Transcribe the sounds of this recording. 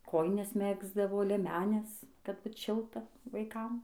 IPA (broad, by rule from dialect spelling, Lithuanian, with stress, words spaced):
ˈkoːjɪnʲɛs ˈmʲæːɡzdɐʋoː lʲiɛˈmʲæːnʲɛs kɐt ˈbʊt ˈʃʲɪlˠtɐ ʋɐɪˈkɐm